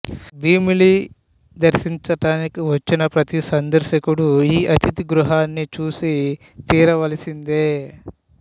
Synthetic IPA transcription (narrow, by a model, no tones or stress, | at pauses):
biːmili | d̪ɐɾʃiɲt͡ʃɐʈaːnikiʋɐt͡ʃːinɐpɾɐt̪isɐnd̪ɐɾʃɐkuɽuiːʔɐt̪it̪iɡɾuɦaːnːit͡ʃuːsi | t̪iːɾɐʋɐlɐsind̪eː